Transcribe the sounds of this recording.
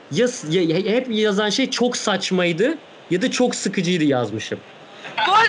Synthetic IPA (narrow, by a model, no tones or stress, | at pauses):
jasjahhɛpjazanʃejt͡ʃʰoksat͡ʃmajd̪ɯ | jad̪at͡ʃʰo̞ksɯkʰɯd͡ʒɯjd̪ɯjazmɯʃɯm